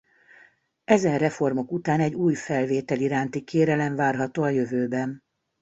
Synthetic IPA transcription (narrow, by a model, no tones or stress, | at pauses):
ɛzɛnrɛfo̞rmo̞kut̪aːnɛɟuːjfɛlveːt̪ɛliɾaːnt̪ikeːɾɛlɛɱvaːrɦɒt̪oːɒjøvøːbɛn